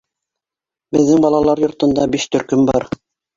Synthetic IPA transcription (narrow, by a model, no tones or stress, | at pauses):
bɘ̆ðːɘŋbɑlˠɑlˠɑɾjŏɾt̪ŏnd̪ɑbiʃt̪ɵ̆ɾkɵmbɑɾ